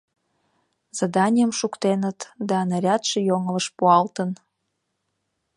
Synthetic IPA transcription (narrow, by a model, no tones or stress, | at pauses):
z̥ɑd̪ɑnʲijəmʃukt̪enət̪d̪ɑnəɾʲɑt̪ʃejoŋələʃpuɑlt̪ən